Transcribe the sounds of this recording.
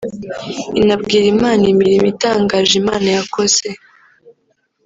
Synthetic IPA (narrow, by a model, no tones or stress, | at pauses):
inabɡiːɾimaːnimiɾimitaːŋɡaːʒimaːnajako̞z̥e̞